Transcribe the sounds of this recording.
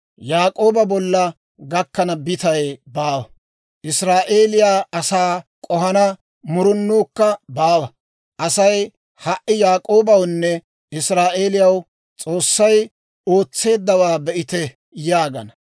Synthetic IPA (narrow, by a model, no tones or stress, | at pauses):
jaːkʼo̞ːbɐbɔlːɐ | ɡɐkːɐnɐbɪt̪ɐjbaːwɐ | ʔɪsɾaːʔe̞ːlɪjaːɐsaːkʼɔɦɐnɐ | mʊɾʊnːuːkːɐbaːwɐ | ʔɐsɐj | hɐʔːɪjaːkʼo̞ːbɐwnːɛ | ɪsɾaːʔeːlɪjɐw | t͡sʼo̞ːsːɐj | o̞ːt͡sːe̞ːd̪ːɐwaːbɛʔɪt̪ɛ | jaːɡɐ̰nɐ